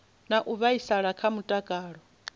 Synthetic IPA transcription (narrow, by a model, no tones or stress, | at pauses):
naʔuβaisaɺakʰamutʼakʼaːɺɔ